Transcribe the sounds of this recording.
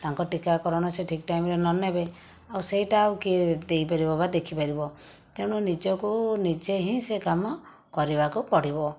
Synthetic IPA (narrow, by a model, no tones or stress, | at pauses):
t̪aŋkɔʈikakɔɾɔɽ̃ɔseʈʰik̚ʈajmɾenɔnebe | awseɦiʈaːukied̪ejpaɾibɔbad̪ekʰipaɾibɔt̪ew̃ɽ̃ɔnid͡ʒɔkunid͡ʒeɦĩsekamɔ | kɔɾibakupɔɽ̤ibɔ